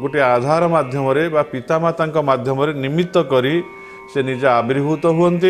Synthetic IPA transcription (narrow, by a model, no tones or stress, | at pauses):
ɡoʈiad̪ʱaɾɔmad̪ʱjɔmɔɾebapit̪amat̪aŋkɔmad̪ʱjɔmɔɾenimit̪ːɔkɔɾi | senid͡ʒɔabiɾbʱut̪ɔɦuɔnt̪i